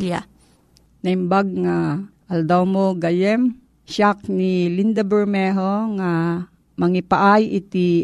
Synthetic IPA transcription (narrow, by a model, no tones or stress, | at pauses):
lja̰ | nɐɪmbaɡ̚ŋaʔald̪awmoɡajɛm | ʃak̚nilind̪abɛɹmɛɦoŋa | mɐŋipaʔajʔɪt̪i